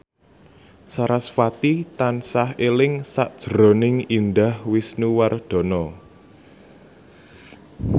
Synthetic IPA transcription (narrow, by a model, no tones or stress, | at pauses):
saɾasfat̪it̪ansaɦelɪŋsaʔd̥ʒ̥ɾo̤nɪŋind̪ahwisnuward̪̥ɔ̤nɔ